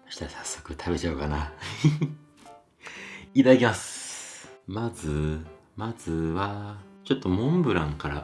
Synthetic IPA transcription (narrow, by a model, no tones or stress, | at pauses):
ɕi̥t̪asḁsːo̞̥kɯ̟t̪ʰaβbe̞t͡ɕaokana | it̪aakʲimasɨ̥ | mazɨ | mazɨβat͡ɕo̞t̪ːo̞mõ̞mbɯ̟ɾãŋkaɾa̰